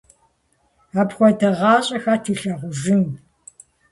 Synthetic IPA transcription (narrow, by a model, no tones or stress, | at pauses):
aːpxʷɔdɐʁɑːɕʼɐxaːtʰiːɬɐʁʷʊʒɪn